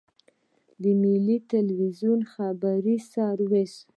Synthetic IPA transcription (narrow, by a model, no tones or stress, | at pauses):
d̪əmilit̪alwizjunxabaɾisɑɾwes